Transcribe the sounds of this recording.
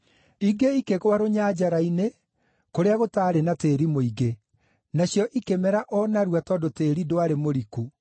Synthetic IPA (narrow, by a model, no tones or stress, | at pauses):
iɡeikeɣwaɾoɲad͡ʒaɾaine | koɾeaɣotaːɾenateːɾimoiɡe | naɕjɔʔikemɛɾaʔɔnaɾwatɔːdoteːɾidoaɾemoɾiku